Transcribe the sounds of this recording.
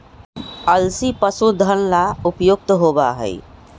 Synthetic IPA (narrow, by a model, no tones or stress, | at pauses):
əlsipəsud̪ʱənlaʊpjʊk̚t̪ɦoːbaɦə̰ɪ̰